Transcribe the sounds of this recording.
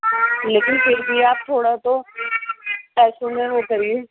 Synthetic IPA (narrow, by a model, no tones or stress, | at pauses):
leːkɪnpɪɾbiaːp̚t̪ʰoːɽat̪o | pɛːsõmẽʋokɐɾieː